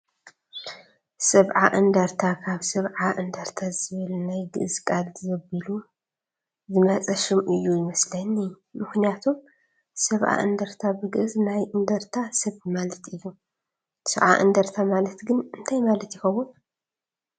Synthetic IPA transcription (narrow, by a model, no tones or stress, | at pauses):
sɐβʕaʔɨnd̪ɐɾt̪ʰakʰaβsɐβʕaʔɨnd̪ɐɾt̪ʰazɨβɨlnajɡɨʔɨzkʼalzɐbɨlu | zɨmɐt͡sʼɐʃɨmʔɨjːujɪmɐslɐni | mɨxnijat̪ʰum | sɐβʔa̰ʔɨ̰nd̪ɐɾt̪ʰabɨɡɨʔɨznajʔɨnd̪ɐɾt̪ʰasɐβmalɐt̪ɨjːu | sɨβʕa̰ʔɨ̰nd̪ɐɾt̪ʰamalɐt̪ɡɨnɨnt̪ʰajmalɐt̪jɪxɐwun